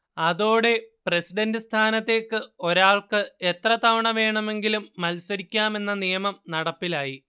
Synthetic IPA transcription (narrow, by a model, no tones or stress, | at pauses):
ɐðo̞ːɽe̞presiɖɐndɨst̪ʰaːnɐt̪ːe̞ːkːɨo̞ɾaːɭkɨe̞t̪rɐt̪ɐʋɐɳɐʋe̞ːɳɐme̞ŋɡilumːɐlsɐɾikʲːaːme̞nːɐnijɐmɐmnɐɽɐpːilaːji